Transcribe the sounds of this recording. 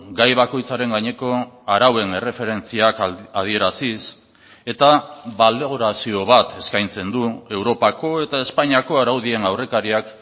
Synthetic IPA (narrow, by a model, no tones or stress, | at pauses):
ɡajβako̞jt͡saɾe̞ŋɡaɲe̞ko̞aɾawe̞ne̞re̞fe̞ɾe̞nt͡siakaðie̞ɾasis | e̞t̪aβald̪e̞ɣ̞oɾasio̞β̞at̪e̞skajnt͡se̞nd̪ue̞wɾo̞pako̞e̞t̪ae̞spaɲiakoaɾawðie̞nawre̞kaɾiak